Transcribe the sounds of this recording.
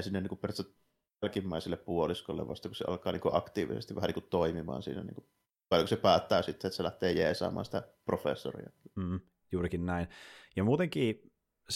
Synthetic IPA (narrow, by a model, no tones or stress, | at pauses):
sinːeniːkupperst̪æt̪ | lkimːæːnsilːeppuoliskolːḛʋʋɑ̰st̪ɑkuseʔɑ̰lkˑɑːniːŋkuʔɑkt̪iːʋḭsḛst̪iʋhæniŋkutt̪oimimɑ̰ːnsḭːnæ̰nḭːŋku | kɑˑlːokosepæːt̪ːæːsit̪ːet̪ːselæht̪eːjeːsɑ̰ːmˑɑ̰ːnsi̥t̪æprofḛsːo̰rḭɑm̩ː | juːrikinnæinjɑmuːt̪eŋkiː | s